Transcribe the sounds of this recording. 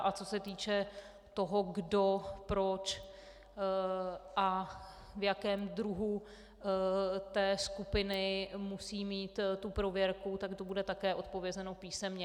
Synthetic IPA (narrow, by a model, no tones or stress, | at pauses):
ʔat͡so̞sɛt̪iːt͡ʃɛ | t̪oɦo̞ɡdo̞pɾot͡ʃ | ʔa | vjakɛːmd̪ɾuɦu | t̪ɛːskupɪnɪmusiːmiːt̪t̪upɾo̞vjɛɾkut̪akt̪obudɛt̪akɛːʔo̞t̪̚po̞vjɛzɛnopiːsɛmɲɛ